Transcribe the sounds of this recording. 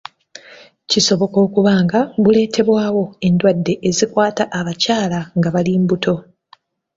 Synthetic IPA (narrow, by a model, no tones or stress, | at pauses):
ciso̞βo̞ko̞ːkuβaːŋɡaβule̞ːtʰe̞βwaːwo̞e̞ndwadːe̞ʔːzikwaːtaʔːβacaːlaŋɡaβaliːmbutʰo̞